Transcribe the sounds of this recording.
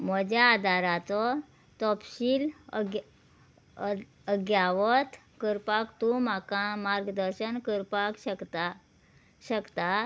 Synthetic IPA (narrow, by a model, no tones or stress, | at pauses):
m̤əd͡ʑjaːd̪ʱaɾat͡sɔ | t̪ɔpɕiːl | əɡjaʋət̪ | kəɾpakt̪ũmakamaɾɡd̪əɾɕənkəɾpakɕəkt̪a | ɕəkt̪a